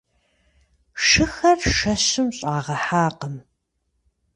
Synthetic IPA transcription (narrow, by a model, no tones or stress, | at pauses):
ʂɨxɐrʃɐɕɨmɕʼaːʁɐħaːqəm